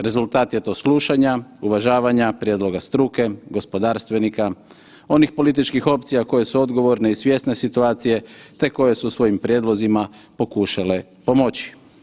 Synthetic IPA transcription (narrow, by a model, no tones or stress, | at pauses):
ɾe̞zulˠt̪aːt̪je̞t̪o̞ːsluʃaɲauʋaʒaːʋaɲapɾʲjed̪lˠo̞ɡast̪ɾuːke̞ɡo̞spo̞d̪aːɾst̪ʋe̞nika | o̞nixpo̞lit̪it͡ʃkixo̞p̚t̪sijako̞je̞suo̞d̪ɡo̞ʋo̞ɾne̞isʋje̞st̪ne̞sit̪uaːt̪sije̞t̪e̞ko̞je̞susʋo̞jimpɾʲjeːd̪lo̞zimapo̞kuːʃale̞ | po̞mo̞t͡ʃi̥